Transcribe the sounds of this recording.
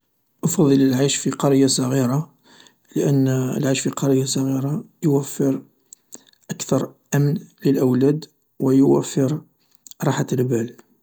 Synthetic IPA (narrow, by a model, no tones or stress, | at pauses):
ʔɑfɑðˤələlʕajʃfiqɑɾəjːasˤɑɣiɾa | ləʔənːə̰lʕaʃfiqɑɾəjːasˤɑɣiɾa | jwəfːəɾ | ʔəkt̪ɑɾˤʔæmnləlʔəwlæd̪ | wəjwæfːəɾ | ɾˤɑħat̪əlbæl